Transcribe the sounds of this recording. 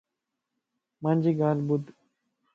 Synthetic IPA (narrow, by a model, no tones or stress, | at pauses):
mãnd͡ʒiɡaːlbud̪